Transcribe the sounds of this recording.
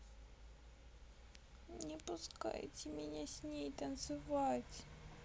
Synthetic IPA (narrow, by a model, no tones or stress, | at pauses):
nʲɪpʊska̰jtʲɪmʲɪnʲasʲnʲejt̪ɐnt̪sɨvatʲ